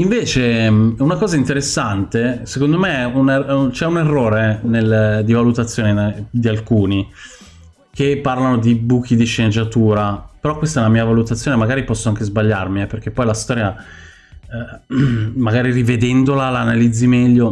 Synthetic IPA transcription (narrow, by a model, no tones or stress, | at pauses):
iɱveːt͡ʃeunakɔːzaint̪eɾesːant̪esekond̪omeɛunt͡ʃɛunerːoːɾeneld̪ivalut̪at̪sːjoːned̪ialkuːni | k̟epːarlanod̪ibuːkid̪iʃːened͡ʒat̪uːɾapeɾɔkːwest̪ɛlamiːavalut̪at̪sːjoːnemaɡaːɾipɔsːoaŋk̟ezbaʎːarmiɛperk̟epːɔjlast̪ɔːɾja | maɡaːɾirived̪ɛnd̪olalaːnalid̪zːimɛʎːo